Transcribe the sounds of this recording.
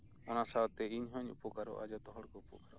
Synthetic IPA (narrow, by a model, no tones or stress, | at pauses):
ɔnasawt̪ɛiɲɦɔɲṵpɔkaɾɔ̰ʔa̰d͡ʒɔt̪ɔɦɔɽkɔupɔkaɾɔ